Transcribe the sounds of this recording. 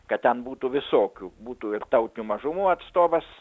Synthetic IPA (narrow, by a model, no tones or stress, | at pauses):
kɐtt̪ʲɛnbuːt̪uːʋʲɪsoːkʲuːbuːt̪uːɪrt̪ɐʊt̪ʲɪnʲuːmɐʒʊmuːɐt̪st̪oːbɐs